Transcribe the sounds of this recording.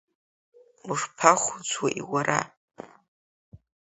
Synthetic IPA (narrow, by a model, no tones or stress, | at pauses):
uʂpʰaχʷʊt͡sʰwaʔiwaɾa̰